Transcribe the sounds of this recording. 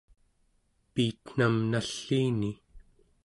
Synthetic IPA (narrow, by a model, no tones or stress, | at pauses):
piːt̪n̥amnaɬːiːni